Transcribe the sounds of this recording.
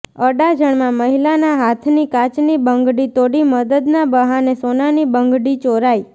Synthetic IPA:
əɖad͡ʒəɳmãməɦilanaɦat̪ʰnikat͡ʃnibəŋɡɽit̪oɽiməd̪əd̪nabəɦanesonanibəŋɡɽit͡ʃoɾai

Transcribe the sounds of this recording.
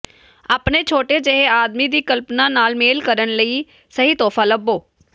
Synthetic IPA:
aːpneːt͡ʃʰoːʈeːd͡ʒeɦeːaːd̪miːd̪iːkəlpnãːnaːlmeːlkəɾənləiː | səɦiːt̪ɔːfʰaːləbːoː

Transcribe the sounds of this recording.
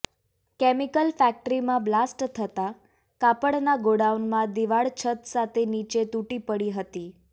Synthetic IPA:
kɛmikəlfæk̚ʈɾimãblasʈt̪ʰət̪a | kapəɽnaɡoɽaunmãd̪iʋaɭt͡ʃʰət̪sat̪ʰenit͡ʃet̪uʈipəɽiɦət̪i

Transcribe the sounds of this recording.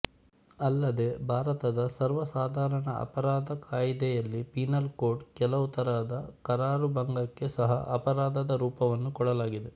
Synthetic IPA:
ɐlːɐd̪e̞bʱaːɾɐt̪ɐd̪ɐsɐɾʋɐsaːd̪ʱaːɾɐɳɐɐ̰pɐɾaːd̪ɐkaːjid̪ɛjɐlːipinɐlko̞ːɾɖkɛlɐʋut̪ɐɾaːd̪ɐkɐɾaːɾubɐŋɡɐkːe̞sɐɦɐ̰ʔɐpɐɾaːd̪ɐd̪ɐɾuːpɐʋɐnːukɔɽɐlaːɡid̪e̞

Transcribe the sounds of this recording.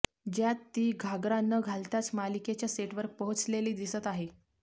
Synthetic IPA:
d͡ʑjat̪ːiːɡʱaɡɾanəɡʱalt̪at͡smaliket͡ɕjaseʈʋəɾpəɦut͡sleliːd̪isət̪aɦe

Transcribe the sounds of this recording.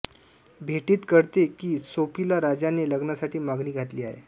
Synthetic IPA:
bʱeʈiːt̪kəɽt̪ekiːsopilaɾad͡ʑaneləɡnasaʈiːmaɡniːɡʱat̪liːaɦḛ

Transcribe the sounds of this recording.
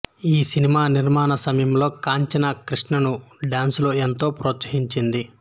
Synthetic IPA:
iːsinimaːniɾmaːnɐsɐmɐjɐmlo̞ːkaːɲt͡ʃɐnɐkɾiʂɳɐnuɖaːnsloːent̪o̞ːpɾoːt̪sɐɦiɲt͡ʃind̪i

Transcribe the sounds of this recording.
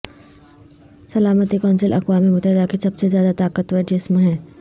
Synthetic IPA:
sɐlaːmət̪ikɔːnsəlʔɐ̰kʋaːmimʊt̪əɦɪd̪akisɐbsezjaːd̪at̪aːkət̪ʋɐd͡ʒɪsmɦɛ̃ː

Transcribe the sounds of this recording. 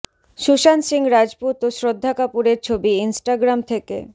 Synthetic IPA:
ʃuʃansiŋɾad͡ʑput̪osɾod̪ʱːakapuɾeɾt͡ɕʰobiinsʈaɡɾamt̪ʰekḛ

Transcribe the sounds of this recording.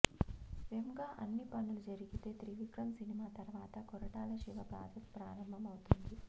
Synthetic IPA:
ʋemɡaːʔɐnːipɐnːulud͡ʒɐɾiɡit̪e̞ːt̪ɾiʋikɾɐmsinimaːt̪ɐɾʋaːt̪ɐkɔɾɐʈaːlɐʃiʋɐpɾa̰ːt̪ɐt̪pɾaːɾɐmbʱɐmɐwut̪und̪i

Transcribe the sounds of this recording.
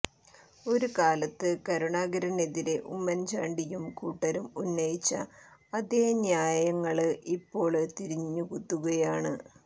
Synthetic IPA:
o̞ɾukaːlɐt̪ːɨkɐɾuɳaːɡɐɾɐne̞ðiɾe̞ʔṵmːɐnt͡ɕaːɳɖijumkuːʈːɐɾumunːɐjit͡ɕːɐ̰ːd̪eɲjaːjɐŋːɐɭɨʔipːo̞ːɭt̪iɾiɲːukut̪ːuɣɐjaːɳɨ

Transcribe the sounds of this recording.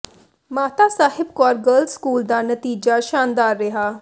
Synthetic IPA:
maːt̪aːsaːhɪbkɔːɾɡəːlskuːld̪aːnət̪iːd͡ʒaːʃaːnd̪aːɾːɪɦaː

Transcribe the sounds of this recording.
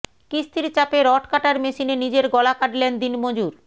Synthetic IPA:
kist̪ʰiɾt͡ɕapeɾɔʈkaʈaɾmeʃinenid͡ʑeɾɡɔlakaʈlend̪inmod͡ʑuɾ

